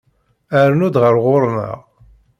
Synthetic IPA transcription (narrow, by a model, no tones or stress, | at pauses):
əɾnud̪ʁəɾʁʊɾˤmə̰ʁ